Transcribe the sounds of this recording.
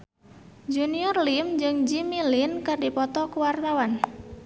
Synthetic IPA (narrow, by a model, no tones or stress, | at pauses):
d͡ʒuniɔrlimd͡ʒɨŋd͡ʒimilinkardipɔt̪ɔkəwart̪awan